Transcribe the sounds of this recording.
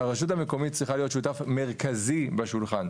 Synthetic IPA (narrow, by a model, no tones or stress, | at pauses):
aʁeʃutameko̞mitt͡sʁiχalijo̞tʃutafme̞ʁkazibeʃulχan